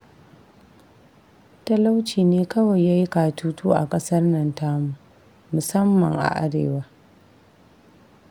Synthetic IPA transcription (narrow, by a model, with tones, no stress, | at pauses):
tɐ˦la˦wt͡ʃiː˨neː˦kɐ˦wɐ˨jːaː˦ji˦kaː˨tʰuː˦tuː˦ʔa̰˨kʼɐ˦sɐ˦rnɐ˦ntaː˦mu˨ | mʊ˨sɐ˦mːɐ̰˨ŋʔa̰˨ʔa̰˦ɽḛː˨waː˦